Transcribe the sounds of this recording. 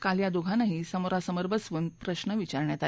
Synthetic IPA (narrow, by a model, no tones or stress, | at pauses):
kaljad̪oɡʱanaɦisəmoɾasəməɾbʱəsʋuːnpɾəɕnəʋit͡ɕaɾɳjat̪a